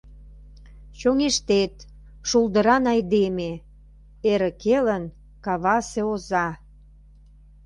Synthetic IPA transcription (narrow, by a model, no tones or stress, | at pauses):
t͡ɕoŋeʃt̪et̪ | ʃuld̪ə̆ɾɑnɑjd̪eme | eɾə̆kelən | kɑβɑseozɑ